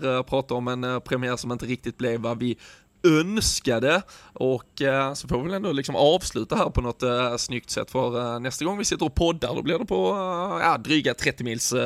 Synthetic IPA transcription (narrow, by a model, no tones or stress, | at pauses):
pʰɾɑːt̪aɔmɛnpʰɾɛmɪæːɾsɔmɪnt̪əɾɪk̚t̪ɪt̪̚blɛvːavɪ | œnskad̪əɔkːsɔfoːvɪvɛlɛnd̪ɔlɪksɔmʔɑːvslʉ̟ːt̪aɦæːɾpʰɔnɔt̪snʏk̚t̪sɛ̰t̪ːfœɾnɛst̪aɡɔŋːvɪsɪt̪ːəɾɔpʰɔd̪ːa̰ɾd̪ɔ̰blɪɾd̪ɛpʰɔjɑ̰d̪ɾyːɡat̪ʰɾɛt̪ːɪmɪːls